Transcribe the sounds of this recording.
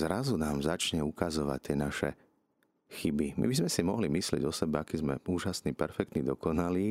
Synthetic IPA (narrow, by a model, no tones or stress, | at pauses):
zɾazunaːmzat͡ʃɲɛukazɔʋa̰c̚t̪ːɪɛnaʃɛ̰ | xibimḭbizmɛsimɔɦlimislɪɛ̰ɟɔsɛbɛakiːzmɛuːʒasnipɛɾfɛk̚t̪nid̪ɔkɔnaliː